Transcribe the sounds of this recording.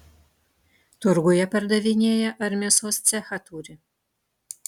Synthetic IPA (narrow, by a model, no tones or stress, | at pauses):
t̪ʊɾɡʊjɛpɐɾd̪ɐʋʲɪnʲeːjɛʔɐɾʲmʲɛːsoːst̪sʲɛxɐt̪uːɾʲɪ